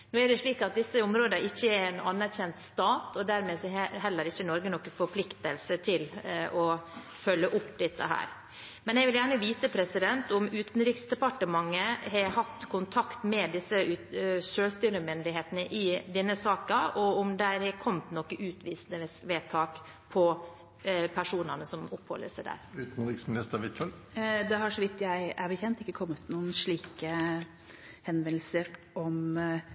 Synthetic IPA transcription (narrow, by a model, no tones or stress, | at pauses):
noːæɖɛʂɭiːkɑt̪̚d̪ɪsːəʊmɾoːd̪əɪçːəæɾɛnɑnːæɾçɛnt̪st̪ɑːt̪ɔd̪æɾmeːsɔɛɦɛlːəɾɪçːənɔɾɡənɔkːəfɔɾpʰlɪkt̪əlsət̪ʰɪlɔ | fœlːəʔʊpːd̪ɛt̪ːə̰ɦæ̰ːɾ | mɛnɛɡʋɪljæːɳəʋiːt̪əpʰɾɛsɪd̪ɛnt̪ʊmʉːt̪n̩ɾɪːksd̪ɛpɑʈəmɑŋːəhɛhɑt̪ːkʰʊnt̪ʰɑkt̪mɛd̪ɪsːəʉʂøːlst̪yːɾəmʏnd̪ɪɦeːt̪nəʔɪd̪ɛnːəsɑːkɑɔʊmd̪æɾɛkʰɔmt̪nɔkːəʔʉːt̪ʋiːsnəsʋeːt̪ʰɑːk | pʰɔ | pʰæʂuːnənəsɔmʊphɔ̰lːə̰sæɪd̪æ̰ɾʉːt̪n̩ɾɪksmɪnɪst̪əɾʋɪt̪ʰɔɾ | d̪ɛɦɑʂɔʋɪt̪ːjæɪæɾbəçɛnt̪ɪkːəkʰɔmːət̪ːnuːənʂɭiːkə | hɛnʋɛnl̩səɾʔɔm